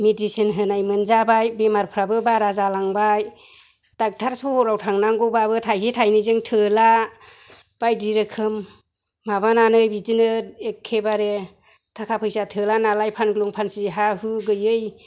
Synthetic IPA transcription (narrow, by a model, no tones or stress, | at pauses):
medisɯnɦɯnajmɯnzabajbemaɾpʰɾabɯbaɾazalaŋbaj | d̥ak̚tʰaɾsɔhɔɾawtʰaŋnaŋɡɯwbabɯtʰajsitʰajnizɯŋtʰɯla | b̥ajdiɾɯkʰɯmː | abananɯjbidinɯekʰːebaɾe | tʰakʰapʰɯjsatʰɯlanalajpʰanɡɯluŋpʰansiɦahɯɡɯjɯj